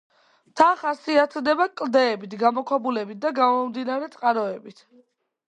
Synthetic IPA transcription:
t̪ʰaχasiat̪ʰd̪ɛbakʼld̪ɛːbit̪ʰɡamɔkʰwɛbulɛbit̪̚d̪aɡamɔmd̪inaɾɛt̪sʼqʼaɾɔɛbit̪ʰ

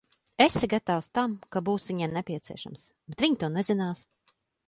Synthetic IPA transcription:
esʲiɡat̪awst̪amkabuːsviɲɛmnɛpʲiɛt̪siɛʃa̰msbet̪vʲiɲt̪uɔnɛzinaːs

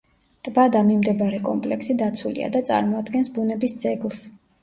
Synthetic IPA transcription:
t̪ʼvad̪amimd̪ɛbaɾɛkʼɔmpʼlɛksid̪at̪sʰulḭa̰d̪at̪sʼa̰ɾmɔad̪ɡɛnsbunɛbisd̪z̥ʼɛɡlˠs

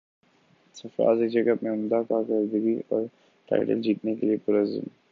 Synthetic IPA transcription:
sɐfɾa̰ːzed͡ʒɐɡət̪mẽʊ̃nd̪akaːkəɾd̪əɡiɔːɾ | ʈa̰ːɪʈə̰ld͡ʒiːt̪nekeliepʊɾəzə̰m

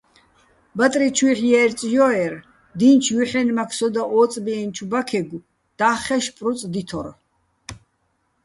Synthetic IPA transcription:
bat̪ʼɾit͡ʃʰwiħjɛɾt͡sʼjɔɛɾ | d̪int͡ʃʰjiħɛnmakʰsɔd̪aʔɔːt͡sʼbiɛnt͡ʃʰubakʰɛɡu | d̪̥aːχɛʃpʼɾut͡sʼd̪it̪ʰɔɾ

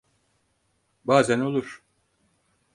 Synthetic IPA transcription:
baːzæno̞lˠuɾ̥

